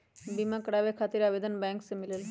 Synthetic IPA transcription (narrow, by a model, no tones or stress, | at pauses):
bimãkəɽaʋekʰaːt̪iɾabed̪ənbɛ̃ːŋksẽmɪlel